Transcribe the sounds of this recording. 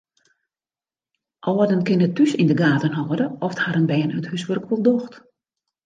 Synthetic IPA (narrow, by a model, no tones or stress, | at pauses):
ʔɔːədənkɪnətːysindəɡaːtənɦɔːədəʔɔfthaɾənbɛːənøthøsʋørkʋolˠdɔxt